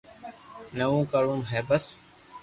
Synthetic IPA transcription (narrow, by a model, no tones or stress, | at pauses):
nəʋũːkəɾũːmɦeːbəs